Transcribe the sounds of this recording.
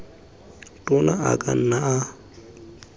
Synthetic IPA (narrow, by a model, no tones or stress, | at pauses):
tʼʊnaa̰kʼa̰n̩ːaʔa